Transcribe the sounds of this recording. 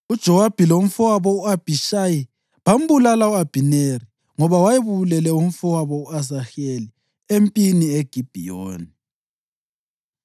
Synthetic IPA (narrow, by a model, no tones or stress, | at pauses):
ud̥ʒ̥ʱɔwab̥ʱilom̩fɔwaβɔuab̥ʱiʃaji | βam̩bulalauab̥ʱineri | ŋɔβawajiβulɛlɛum̩fɔwaβɔuazaxeli | empʼinieɡ̥ʱib̥ʱijo̰ːni